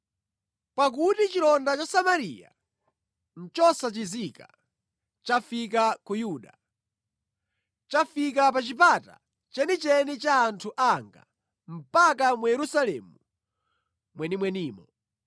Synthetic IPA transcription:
pak̬utit͡ʃilɔndat͡ʃasamaɾḭja̰ | n̩t͡ʃɔsat͡ʃizika | t͡ʃafik̬akujuːɗa | t͡ʃafikapat͡ʃipata̰ | t͡ʃɛnit͡ʃɛnit͡ʃaːntʰuʔaŋɡa̰ | m̩pak̬amujɛɾusalɛ̰mu | mwɛnimwɛniːmɔ

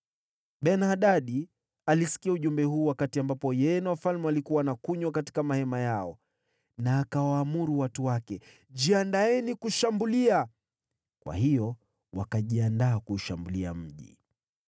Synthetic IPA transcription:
ɓɛnhaɗaɗi | alisi̥kiauʄumbɛɦuːwakatiambapɔjɛnawafalmɛalikuwanakuɲwak̬ati̥kamahɛmajaɔ | naːkawaːmuɾuwatuwakɛ | d͡ʒiandaɛnikuʃambulia | kwa̰hijɔ | wakaʄiandaːkuːʃambulia̰m̩ʄḭ

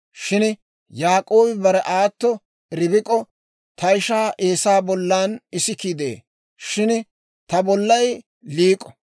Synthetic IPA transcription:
ʃɪn | jaːkʼo̞ːbɪbɐɾɛʔaːt̪ːɔ | ɾɪbɪkʼɔ | t̪ɐɪʃaːʔeːsaːbɔlːaːnɪsɪkid̪ḛː | ʃɪn | t̪ɐbɔlːɐj | liːkʼːɔ̥

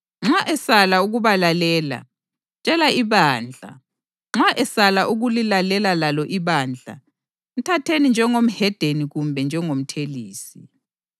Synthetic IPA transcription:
ŋ͡ǁaʔɛsalauɣuβalalɛːla̰ | t͡ʃʼɛlaiβaːnd͡ɮʱa̰ | ŋ͡ǁaʔɛsalaʔuɣulilalɛlalalɔʔiβaːnd͡ɮʱa̰ | m̩tʰatʰenind͡ʒʱɛŋom̩hɛd̥ʱeniɣumbʱɛnd͡ʒʱɛŋom̩tʰeliːsi

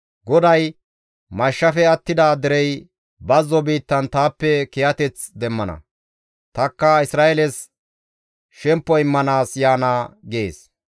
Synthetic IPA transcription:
ɡɔd̪ɐj | mɐʃːɐfɛɐt̪ːɪd̪aːd̪ɛɾɛj | bɐzːɔbiːt̪ːɐnt̪aːpːɛkɪjɐt̪ɛt͡sd̪ɛmːɐnɐ̰ | t̪ɐkːɐɪsɾaːɛlɛs | ʃɛmpːɔɪmːɐnaːsjaːnaːɡeːs

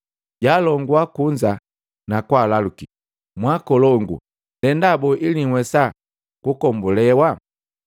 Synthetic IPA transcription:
ɟalɔŋɡwakuɲd͡ʒa | nakwalaluki | mwakɔlɔŋɡṵ | ndɛndabɔʔiliŋwɛsa | kukɔmbulɛwa

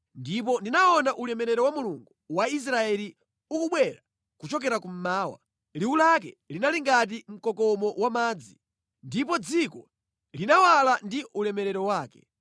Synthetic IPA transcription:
ndipɔndinaɔnaʔulɛmɛɾɛɾɔwamuluŋɡuwais̬ɾaɛli | ukuɓwɛɾa | kut͡ʃɔk̬ɛɾakum̩maːwa̰ | liwulak̬ɛ̰linaliŋɡat̬im̩kɔkɔmɔwamaːd͡zi | ndipɔd͡zikɔ | linawalandiʔulɛmɛɾɛɾɔwaːkɛ

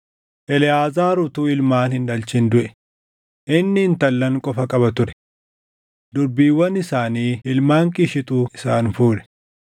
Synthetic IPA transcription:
ʔɛlɪjaːzaːɾʊt̪uːɪlmaːnhɪnᶑɐlt͡ʃɪnd̪ʊʔɛ | ʔɪnːɪɪnt̪ɐlːɐŋkʼɔfɐkʼɐbɐt̪ʊɾɛ̥ | d̪ʊɾbiːwːɐnːɪsaːniːɪlmaːŋkʼiːʃɪt̪ʼuːɪsaːnfuːᶑɛ̥

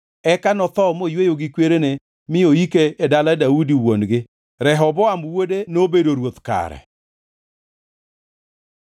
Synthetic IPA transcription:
ɛkanɔt̪ɔmojwejoɡɪkweɾene | mɪoikeːdaladaudiwonɡɪ | ɾɛɦɔbɔamwodenobedoɾwot̪ka̰ɾɛ̰

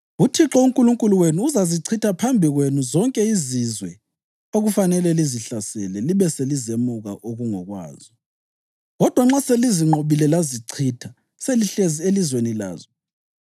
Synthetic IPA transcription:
utʰiǁɔuŋkʼuluŋkʼuluwenuːzaziǀʰitʰapʰambʱiɣwenuzɔŋkʼɛizizwɛ | oɣufanɛlɛliziɬasɛlɛliβɛselizemuɣa̰ʔoɣuŋɔɣwa̰ːzɔ | ɣɔd̥ʱwaŋ͡ǁaseliziŋ͡ǃʱoβilɛlaziǀʰitʰa | seliɬezielizwenila̰ːzɔ

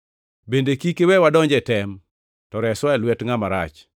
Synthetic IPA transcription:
bendekikewɛwadɔɲd͡ʒɛtɛm | tɔɾɛsɔɛlwɛtŋamaɾa̰t͡ʃ

